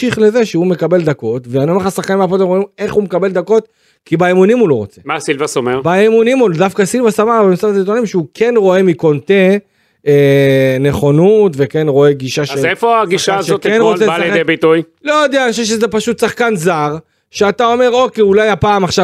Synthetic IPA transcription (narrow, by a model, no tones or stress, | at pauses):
iχle̞ze̞ʃeume̞kabe̞ld̪ako̞tveanioeχasaχkanĩveapot̪emʁoime̞χumekabe̞ld̪ako̞t̚ | kibaemunimulo̞ʁo̞t͡se̞masilvasomeʁbaemunimud̪afkasilvasamaχbemsafit̪onimʃeukʰe̞nʁo̞e̞miko̞nt̪e̞ | ene̞χo̞nutve̞ke̞nʁo̞e̞ɡiʃaʃzefoaɡiʃaːzʃotkenʁoselebit̪uj | lojod̪eanʃeʃ̬ezepaʃut̪saχkanzaʁ | ʃeat̪ao̞me̞ʁo̞kejulajapaːmaχʃa